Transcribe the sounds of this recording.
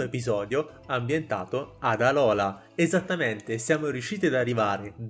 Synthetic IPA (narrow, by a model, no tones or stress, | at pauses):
oepizɔːd̪jo | ambjent̪a̰ːt̪oad̪alɔːla | ezat̪ːament̪esjaːmoɾjuʃiːt̪id̪arːivaːɾed̪